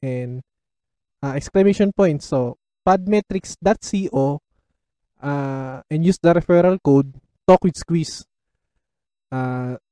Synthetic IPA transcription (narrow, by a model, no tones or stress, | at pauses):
ʔɛnd̪ | ʔaʔɛksklɐmeʃonpojnt̪so | pad̪̚mɛt̪ɾɪksd̪at̪̚siʔo | ʔaʔɛ̃njusd̪ɐɾɛfɛɾɐlkowd̪̚ | t̪ɔkwɪd̪skwis | ʔa